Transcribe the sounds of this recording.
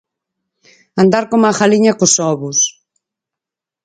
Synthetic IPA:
and̪aɾkomaxaliɲɐkosɔβʊs

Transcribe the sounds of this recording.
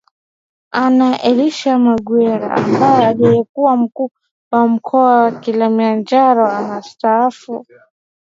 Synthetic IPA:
anaʔɛliʃamaɡwɛɾa̰a̰mbajɛalijɛkuwam̩kuː | wam̩kʰɔawakilamiand͡ʒaɾɔanastaafu

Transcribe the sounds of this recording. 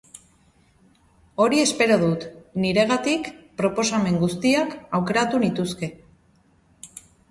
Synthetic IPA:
o̞ɾie̞spe̞ɾo̞ðut̪niɾe̞ɣ̞at̪ikpɾo̞po̞same̞ŋɡust̪iakawke̞ɾat̪unit̪uske̞

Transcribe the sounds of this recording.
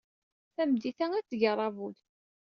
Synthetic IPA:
θæmd̪iθæŋæt͡sːʝərˤːɑvuð

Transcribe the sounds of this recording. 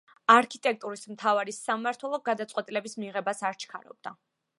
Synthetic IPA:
aɾkʰit̪ʼɛk̚ʰʼt̪ʼuɾismt̪ʰavaɾisːamːaɾt̪ʰwɛlˠɔɡad̪at̪sʼwɛt̪ʼilɛbismiʁɛbasaɾt͡ʃʰkʰa̰ɾɔ̰b̚d̪a

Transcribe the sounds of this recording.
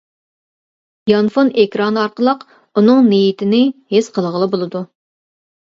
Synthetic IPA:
jɑnfonekʲɾɑnɑɾqəlˠəq | unɨŋnejit̪ʰɪnɪhesqʰəlˠʁəlˠɨbolˠɨd̪u

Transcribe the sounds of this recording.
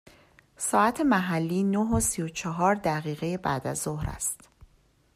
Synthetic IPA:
sɒːæt̪ʰe̞mæɦælːiːnoɦosijot͡ʃʰɒɦɒːɾd̪æʁiːɣe̞je̞bæ̰ːd̪æ̰zohɾæ̰st̪

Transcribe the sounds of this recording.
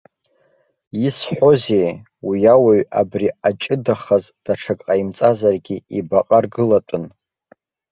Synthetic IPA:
isħʷo̞zej | wijawaɥabriat͡ʃʼɨdaχaz | d̥aʈ͡ʂʰakʼqʼajimt͡sʼazarɡʲiibaqʼarɡɨlatʼɨn

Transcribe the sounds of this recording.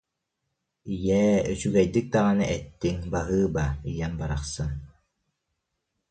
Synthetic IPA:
ijɛːøsyɡɛjd̪ik̚d̪aʁanɯʔɛt̪ːiŋbaɦɯːbaijɛnbaɾaχsɯn

